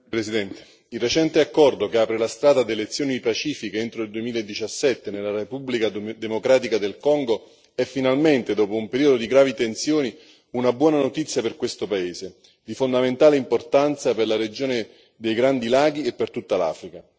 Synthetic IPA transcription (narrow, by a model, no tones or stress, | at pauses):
pɾesid̪ɛnt̪e̥ | ilːet͡ʃɛnt̪eakːɔrd̪okeaːpɾelast̪ɾaːd̪ad̪elet̪sːjoːnipat͡ʃiːfikeent̪ɾoild̪uemiːlaed̪ːit͡ʃasːɛt̪ːenelːaɾepublikad̪emokɾaːt̪ikad̪elkɔŋɡo | ɛfːinalment̪ed̪ɔːpoumpeɾiːod̪od̪iɡɾaːvit̪ensjoːni | unabwɔːnanot̪it̪sjaperkwest̪opaeːze | d̪ifond̪ament̪aːleimport̪ant̪saperlaɾed͡ʒoːne | d̪ejɡɾand̪ilaːɡ̟iepːert̪ut̪ːala̰ːfɾika